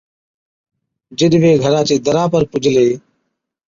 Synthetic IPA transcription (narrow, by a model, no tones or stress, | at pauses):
d͡ʒɪɗʋeːɡʱəɾãːt͡ʃeːd̪əɾãːpəɾpʊd͡ʒʱleː